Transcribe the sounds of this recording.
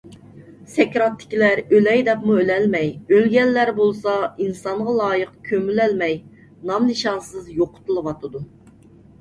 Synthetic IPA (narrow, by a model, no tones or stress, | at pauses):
sɛkʲɾɑt̪ːɪ̥kʲilæɾølɛjd̪ɛpmuølɛlmɛjølɡʲɛlːæɾbolˠsɑinsɑɴʁɑlˠɑːjəqkʲʰømylɛlmɛj | nɑmnɨʃɑnsɨzjoqʰʊ̥t̪ɨlˠɨwɑt̪ʰɨd̪u